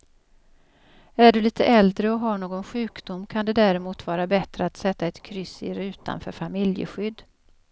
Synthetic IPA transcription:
æɖɵliːt̪ʰə̰ʔɛld̪ɾəɔɦaɳoːɡɔnɧʉ̟ːkd̪ʊmkʰand̪ɛd̪æːɾɛmuːt̪vɑːɾabɛt̪ɾəat̪sɛt̪ːaɛt̪kʰɾʏsɪ̰ɾʉ̟ːt̪a̰nfœ̰ːɾfamɪljə̰ɧʏd̪ː

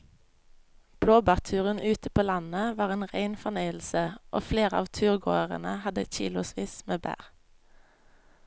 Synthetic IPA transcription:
b̥ɽoːbɑːʁt̪ʰʉːʁənʔʉːt̪əpʰoːlɑnəʋɑːʁeːnʁæɪnfɔʁneɪl̩səʔo̰ːfleːʁəɑ̰ːʋt̪ʰʉːʁɡo̰ːəʁə̰nə̰hɑd̪ə̰çḭːlʊsʋiːsmeːbæ̰ːʁ

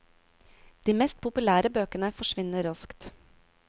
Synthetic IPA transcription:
d̪̥iːmɛst̪̚pʰʊpʉlæːɾəbøːkənəfɔʃʋɪnəɾɑskt̪

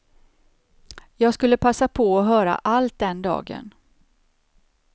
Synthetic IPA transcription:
jɑːɡskɵlːəpʰasːapʰɔɔɦœːɾa̰ʔalt̪̚d̪ɛnd̪ɑ̰ːɡə̰n

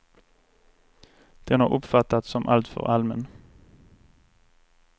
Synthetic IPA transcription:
d̪̥ɛnæɾʔɔpfat̪ːat̪sɔmʔa̰lt̪fœ̰ʁalmən

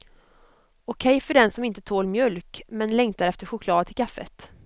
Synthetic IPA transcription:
ʊkʰɛjfœɖɛnsɔmɪnt̪ət̪ʰoːlmjœlkmɛnlɛŋt̪aɾɛft̪əɧʊkʰlɑːd̪̚t̪ʰɪlkʰafːə̰t̪

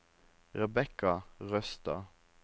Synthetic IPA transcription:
ʁɛbɛkɑʁœst̪ɑ̰

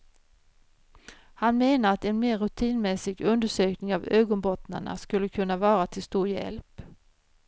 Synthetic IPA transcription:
hanmeːnaɾat̪ɛnmeːɾɵt̪ʰiːnmɛsɪɡɵnd̪əʂøːknɪŋavøːɡɔnbɔt̪na̰ɳa̰skɵlːəkʰɵnːavɑːɾat̪ʰɪlst̪uːɾjɛ̰lp

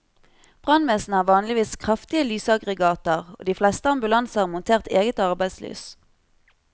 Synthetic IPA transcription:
b̥ʁɑnmeːsn̩æːʁʋɑːnlɪʋiːskʰʁɑft̪ɪəlyːsɑɡʁɛɡɑːt̪əʁo̰ːd̪iːflɛst̪əɑmbʉlɑnsəɑmʊnt̪ʰeːʁt̪eːɡət̪ɑʁbæɪd̪sly̰ːs

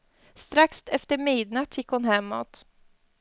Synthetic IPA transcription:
st̪ɾakst̪ɛft̪əɾmiːd̪nat̪ʰjɪkːhʊnɦɛmːɔt̪

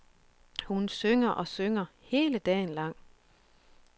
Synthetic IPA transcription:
hunsøŋɐʔɒ̽søŋɐhe̝ːləd̥ɛ̰ːnlɑ̈ŋ̰

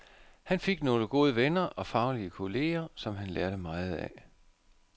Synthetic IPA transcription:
hænfe̝ɡ̥no̝ːləɡ̥o̝ð̞ˠəʋenɐʔɒ̽fɑ̈ʊliəkʰo̝le̝ːɐsɒ̽mɦænlæɐɾ̥əmɑ̈ːð̞̩ˠæ

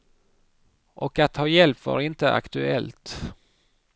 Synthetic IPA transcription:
ʔɔkat̪hɑːjɛlpvɑ̰ːɾɪnt̪əʔa̰kt̪ɵɛlt̪

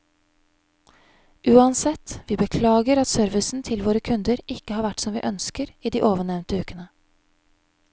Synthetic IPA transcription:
ʔʉːɑnsɛt̪ʋiːbəkʰlɑːɡəɾɑt̪sœɾʋɪsn̩t̪ʰɪlʋoːɾəkʰʉnd̪əɾɪkːəhɑːɾʋæʈːsɔmʋḭːʔœnskəɾiːd̪iːʔoːʋəɳɛʋnt̪əʉːkənə

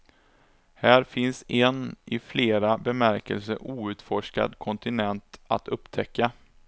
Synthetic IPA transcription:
hæːɾfɪnsɛnɪfleːɾabɛmæɾkə̰lsəʔuːʉ̟ːt̪fɔʂka̰d̪kʰɔnt̪ɪnɛnt̪a̰t̪ʰɵpːt̪ʰɛkːa

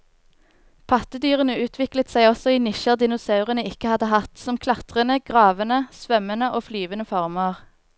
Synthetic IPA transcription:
pʰɑt̪əd̪yːʁənəʉːt̪ʰʋɪklət̪sæɪɔsɔiːnɪʃəʁd̪ɪnʊsɑʉʁənəɪkəhɑd̪əhɑt̪sɔmkʰlɑt̪ʁənəɡ̥ʁɑːʋənəsʋœmənəʔoːflyːʋənəfɔʁmɑʁ

